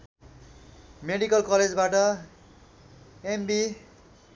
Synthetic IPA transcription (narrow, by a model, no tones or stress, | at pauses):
meɽikʌlkʌled͡zbaʈʌ | embi